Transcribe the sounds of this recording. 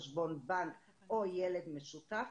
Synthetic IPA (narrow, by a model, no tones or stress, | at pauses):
ʃbo̞nbaŋk | ojeled̪mesut̪af